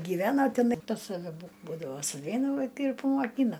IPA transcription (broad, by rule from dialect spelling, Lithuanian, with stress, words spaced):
ɡʲiːˈʋʲæːnoː tʲɛˈnɐɪ pɐs sɐˈʋʲɛ bʊ ˈbuːdɐʋoː sʊˈʋʲɛɪnɐ ˈʋɐɪkɐɪ ɪr pɐmoːˈkʲiːnɐ